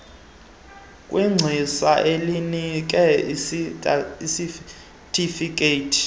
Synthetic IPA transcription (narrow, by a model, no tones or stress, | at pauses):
kʼwiŋ͡ǀʱisaʔelinik̬ʼɛiiisi | tʼifik̬ʼeːtʰi̥